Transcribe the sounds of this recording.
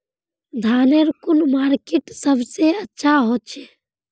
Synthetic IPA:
d̪ʱaːneɾkʊnmaːɾkiʈsəbʱseətːʃʰaɦot͡ʃʰe

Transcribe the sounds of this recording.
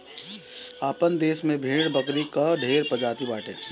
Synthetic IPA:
aːpənd̪eːsmẽbʱeːɽbəkɾikaɖʱeːɾpəd͡ʒaːt̪ibaːʈḛ̃ː

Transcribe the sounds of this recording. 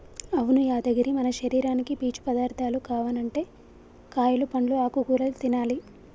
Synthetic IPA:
ɐʋunujaːd̪ɐɡɐɾimɐnɐʃɐɾiːɾaːnikipiːt͡ʃu̥pɐd̪aːɾt̪ʰaːlukaːʋɐnɐɳʈe̞ː | kaːjulupɐɳluaːkuɡuːlɐlut̪inaːli

